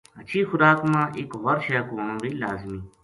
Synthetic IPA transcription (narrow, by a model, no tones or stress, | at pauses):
ɐt͡ʃʰiːxʊɾaːkmãːʔɪkɦɐɾʃeːkoːɳũːbiːlaːzmiː